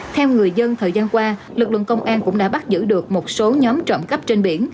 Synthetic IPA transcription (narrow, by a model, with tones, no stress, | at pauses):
t̪ʰɛ˧wŋɨ˨˩əjzə˧nt̪ʰəː˨˩jzaː˧nkwaː˧lɨ˨˩k̚lə̰˧˨nkə˧wŋ͡mʔaː˧nkʊ̰˧˥ŋ͡mɗa̰ː˧˥ɓa˦˥t̚zɨ̰˧˥ɗɨ˨˩ək̚mo˨˩t̚so˨˦ɲɔ˨˦mt͡ɕɔ̰˧˨ŋ͡mkə˦˥p̚t͡ɕe˧nɓi˧˩ən